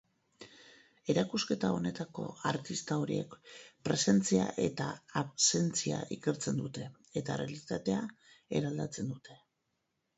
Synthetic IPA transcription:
e̞ɾakuske̞t̪ao̞ne̞t̪ako̞̰aɾt̪ist̪ao̞ɾie̞̰kpɾe̞se̞nt͡sia̰ʔe̞t̪aːβse̞nt͡sia̰ʔike̞ɾt͡se̞nd̪ut̪e̞ː | t̪arealit̪at̪e̞a | e̞ɾald̪at͡se̞nd̪ut̪e̞

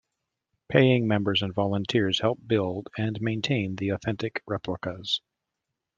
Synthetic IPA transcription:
pʰeɪɪ̃ŋmɛ̃mbə˞zɨ̃nvɑlˠə̃ntʰɪɹz̥hɛlˠp̚b̥ɪlˠdɨ̃nmẽɪ̃ntʰẽɪ̃nðiɔθɛ̃ntɨkɹɛpʰləkəz̥

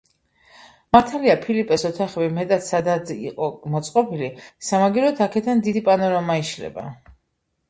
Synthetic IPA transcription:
maɾt̪ʰaliapʰilipʼɛsɔt̪ʰaχɛbimɛt̪ʼat̪sad̪ad̪ḭqʼɔmɔt̪sʼqʼɔbilisamaɡiɾɔt̪ʰakʰɛd̪and̪id̪ipʼanɔɾamaiʃlɛ̰ba̰

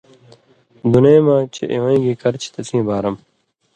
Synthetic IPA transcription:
d̪uneːmãːt͡ɕʰḛʔiwɐ̃ɡikɐɾt͡ɕʰi̥t̪ɐt͡sʰĩːbaːɾɐm

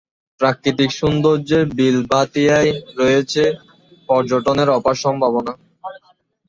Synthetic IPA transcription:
pɾakɾit̪̬ikʃund̪oɾd͡ʑeɾbilbʱat̪ijajɾɔjet͡ɕʰe | pɔɾd͡ʑoʈoneɾɔpaʃɔmbʱabona

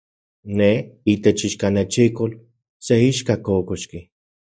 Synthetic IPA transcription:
neit̪et͡ʃiʃkanet͡ʃikol | seiʃkakokoʃki

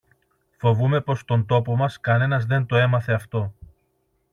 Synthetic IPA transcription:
fo̞vume̞po̞st̪o̞nt̪o̞po̞mɐskɐne̞nɐzðe̞nt̪o̞e̞mɐθeɐft̪o̞

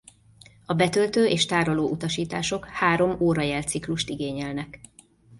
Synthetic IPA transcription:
ɒbɛt̪ølt̪øːʔeːʃt̪aːɾoloːʔut̪ɒʃiːt̪aːʃo̞khaːɾo̞moːɾɒjɛlt̪sikluʃt̪iɡeːɲɛlnɛk

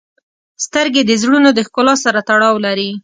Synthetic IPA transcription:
st̪əɾɡed̪əzɽunod̪əxkʊlɑsaɾat̪aɽɑwlaɾi

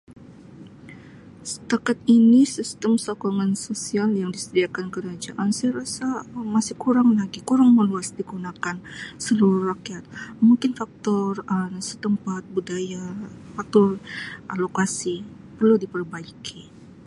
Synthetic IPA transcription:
sə̥t̪akat̪̚inisist̪əmsokoŋansosialjaŋdisədiakankəɾad͡ʒaʔansajaɾasamasɪhkuɾaŋlaɡikuɾaŋməluasdiɡunakansəluɾurakiat̪̚muŋkɪnfak̚t̪ɔrəsət̪əmpat̪̚budajafak̚t̪ɔrʔalokasi | pərludipərbaikʰi

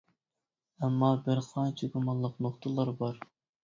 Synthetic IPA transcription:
ɛmːɑbɪɾqʰɑnt͡ʃʰiɡumɑnˠːəqnoχt̪ʰəlˠɑɾbɑɾ

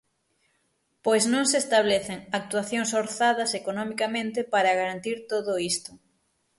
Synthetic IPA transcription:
pojznõŋsest̪aβ̞leθeŋak̚t̪waθjoŋsoɾθaðɐsekonomikamẽnt̪ɪpaɾɐɣaɾant̪iɾt̪oðoist̪ʊ̥

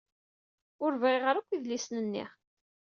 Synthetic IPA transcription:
ʊɾvʁɪʁəɾækʷːiðlisnənːḭʁ

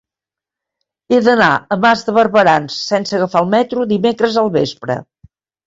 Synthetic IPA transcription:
eðəna̰əmazðəβəɾβəɾansːɛnsəɣəfalˠmɛt̪ɾuðimekɾəzəlˠβespɾə̰

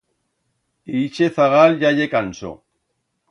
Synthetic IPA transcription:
it͡ʃeθaɣalʎaʎekanso̰

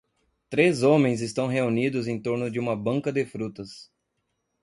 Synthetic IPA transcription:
t̪ɾezõmẽj̃zɪst̪ɐ̃w̃ɦeunid̪ʊzẽt̪oɾnʊd͡ʒɪũmɐbɐ̃ŋkɐd̪ɪfɾut̪ɐs

